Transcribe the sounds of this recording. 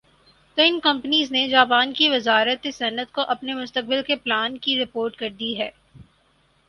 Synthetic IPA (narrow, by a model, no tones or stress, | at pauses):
t̪oːɪnkɐ̃mpniːzned͡ʒaːpaːnkiʋɪzaːɾət̪esɐnət̪koʔɐpnemʊst̪ək̚bɪlkeplaːnkiɾɪpoːɾʈkɐɾd̪iɦɛː